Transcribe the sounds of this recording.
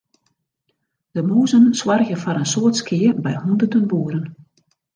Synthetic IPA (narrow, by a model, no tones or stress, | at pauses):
d̥əmoːzənswarɣəfɔɾənsoətskʰɪərbɛjhundərtənbuəɾən